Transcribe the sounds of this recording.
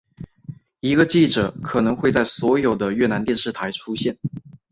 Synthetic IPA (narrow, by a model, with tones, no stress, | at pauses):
i˧˥ɡə˧t͡ɕi˥˩ʈ͡ʂɤ˨˩kʰɤ˨˩nɤ˧˥ŋxwe˥˧ɪt͡sa˥˩ɪswɔ˧˥jo˨˩ʊd̪ə˦ɥɛ˥˩na˧˥nt̪jɛ˥˧nʂɻ̩˥˩t̪ʰa˧˥ɪʈ͡ʂʰu˥ɕjɛ˥˩n